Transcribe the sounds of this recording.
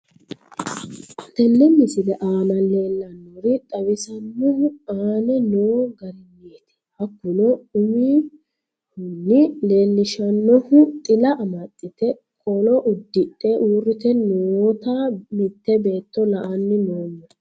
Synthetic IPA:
t̪ɛnːɛmɪsɪd̪ɛʔaːmɐle̞ːlːɐnːɔɾɪt̪ʼɐwɪsɐnːɔhʊaːnɛnoːɡɐɾɪɲːeːt̪ɪ̥hɐkːʊnɔʊmi | ʊnːɪle̞ːlːɪʃɐnːɔhʊt̪ʼɪlɐʔɐmɐt̪ʼːɪt̪ɛ | kʼɔlɔʔʊd̪ːɪt̪ʼːɛʔuːɾɪt̪ɛnoːt̪amɪt̪ːɛbe̞ːt̪ːɔlɐʔanːɪnoːmːɔ

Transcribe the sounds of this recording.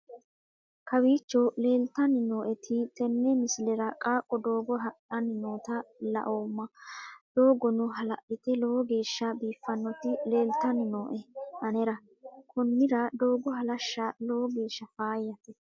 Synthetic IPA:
kɐwiːt͡ʃːɔle̞ːlt̪ɐnɪnoːʔɛt̪ʰɪt̪ɛnːɛmɪslɛɾɐkʼaːkʼːɔd̪o̞ːɡɔɦɐʔɐnɪnoːt̪ɐlɐ̰ʔoːmːɐd̪̥o̞ːɡɔnɔɦɐlɐʔɪt̪ɛloːɡe̞ːʃːɐbiːfːɐnːɔt̪ɪleːlt̪ɐnɪnoːʔɛɐnɛɾɐ | kʰɔnːɪɾɐd̪oːɡɔɦɐlɐʃːɐloːɔɡe̞ːʃːɐfaːjːɐt̪ɛ

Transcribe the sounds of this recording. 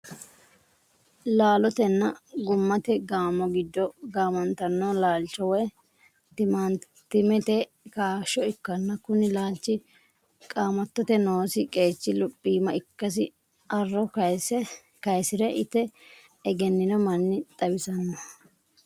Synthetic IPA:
laːlɔt̪ɛnːɐɡʊmːɐt̪ɛɡaːmɔɡɪd̪ːɔɡaːmɐnt̪ɐnːoːlaːlt͡ʃːɔwɛ | t̪ɪman | t̪ɪmɛt̪ɛ | kaːʃɔɪkːɐnːɐkʊnɪlaːlt͡ʃːɪ | kʼaːmɐt̪ːɔt̪ɛnoːsɪkʼe̞ːt͡ʃːɪlʊpʼːiːmɐɪkːɐs̬ɪ | ɐrːɔkɐsɛ | kɐjsɪɾɛʔɪt̪ːɛ | ɛɡɛnːɪnɔmɐnːɪt̪ʼɐbɪsɐnːɐ

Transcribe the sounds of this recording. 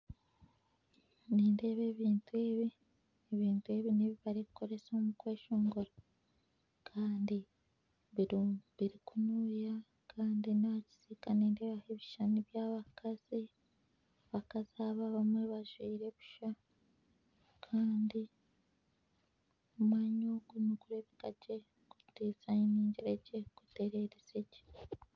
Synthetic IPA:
niːnde̞ːβe̞ːβiːntueːβi | eβiːntue̞βiniβiβaɾikukoɾe̞somukwe̞ːʃoːŋɡuɾa | kʰaːndi | βiɾuβiɾikunuːja | kʰaːndinaβaci̥sikaniːnde̞ːβaheβiʃaniβjaβakaz̥i | βakazaβaβamweβaʒiːɾe̞βu̥ʃa | kʰaːndi | umaːɲoɡunukuɾeβikaɟe̞ | ku̥tizainiːɲɟeɾeɟe̞kute̞ɾe̞ɾezeɟe̥

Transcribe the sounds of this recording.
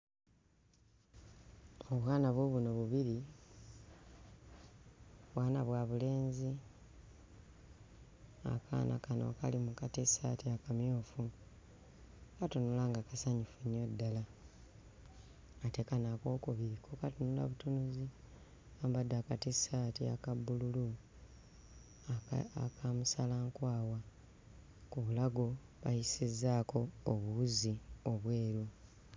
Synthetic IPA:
oβwaːnaβwoβuno̞βuβiɾi | βwaːnaβwaβule̞ːɲzi | a̰kʰa̰ːnʔa̰kano̰kalimukatisa̰tiakamjoːfu | katunulaːŋɡakasaɲufuɲjodːala | te̞kanako̞ːkoβiɾiko̞katunula̰βutunuzi | ambadːaːkatisatia̰kabːululu | akʰamusalaːŋkwaːwa | kuβulaɡo̞ | βa̰hisizːaːkʰo̞ːβuuzio̞βwe̞ːɾo

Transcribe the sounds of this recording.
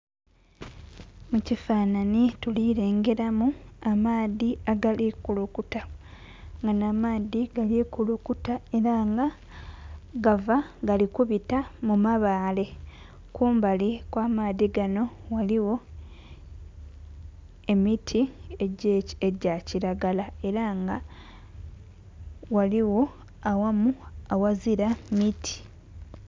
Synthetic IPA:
mucifaːnanituliɾe̞ːŋɡe̞ɾamuamaːðiaɡalikulukuta | ŋɡanamaːðiɡalikulukutae̞ɾaŋɡa | ɡavaɡalikuβitamumaβaːle̞ | kuːmbalikwaːmaːðiɡano̞waliwo̞ | e̞mitʰieɟeɟaciɾaɡalae̞ɾaŋɡa | waliwo̞ | awamuawaziɾamitʰi̥

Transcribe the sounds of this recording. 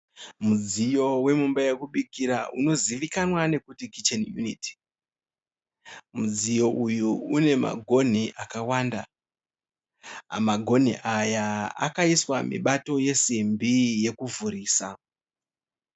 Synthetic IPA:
mud͡zijo̞we̞mumbajekuɓikiɾaʔuno̞ziʋikanwane̞kutiɡʱit͡ʃenjṵniti̥ | mud͡zijo̞ʔujuune̞ma̰ɡʱo̞n̤iʔakawaːnda | a̰maɡʱo̞n̤ḭʔajaa̰kaiswamḭɓato̞je̞simbije̞kuvuɾiːsa̰

